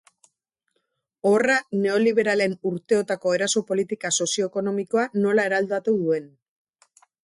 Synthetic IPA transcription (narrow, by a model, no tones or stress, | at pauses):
o̞rane̞o̞liβ̞e̞ɾale̞nuɾt̪e̞o̞t̪ako̞e̞ɾaso̞po̞lit̪ikaso̞sio̞eko̞no̞miko̞ano̞lae̞ɾald̪at̪uðue̞n